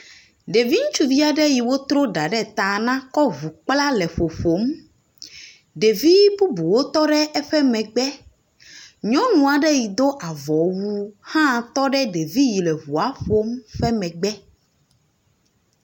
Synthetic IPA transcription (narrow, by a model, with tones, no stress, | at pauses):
ɖe˨vi˦ŋũ˦t͡ʃu˦vi˦a˨ɖɛ˦ji˨wo˦t̪ɾo˦ɖa˨ɖɛ˦˨t̪ã˨nã˦kɔ˦vu˨k͡pla˦lɛ˨ɸo˨ɸo˨˦m | ɖe˨vi˦bu˦bu˨wo˦t̪ɔ˦ɖɛ˦ʔɛ˦ɸɛ˦mɛ̃˨ɡ͡bɛ˦ | ɲɔ̃˦nũ˨a˨ɖɛ˦ji˨d̪o˦ʔa˨vɔ˨wu˦hã˦t̪ɔ˦ɖɛ˦ɖe˨vi˦ji˨lɛ˨βu˨a˦ɸo˦mɸɛ˦mɛ̃˨ɡ͡bɛ˦